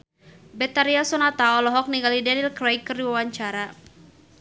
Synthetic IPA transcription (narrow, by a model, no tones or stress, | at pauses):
bɛt̪aɾiasɔnat̪aɔlɔɦɔk̚niɡalidɛnilkɾajkːɨrdiwawaɲt͡ʃaɾa